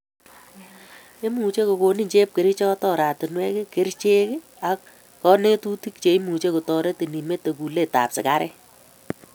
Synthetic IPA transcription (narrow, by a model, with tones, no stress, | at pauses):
e˦mu˨t͡ʃe˦ko˨ko˨ni˦ɲt͡ʃe˦p̚ke˨ɾi˦t͡ʃɔ˦tɔ˦˨ɾa˨tɪ˨nwe˦ke˦ke˦ɾt͡ʃe˦k | a˨kː | ɔ˦ne˦tu˦ti˦k̚t͡ʃe˨i˦mu˨t͡ʃe˦ko˨tɔ˨ɾe˦ti˨ni˨me˦te˨ku˨le˦˨ta̰˨psɪ̰˨ka˦ɾɛ˦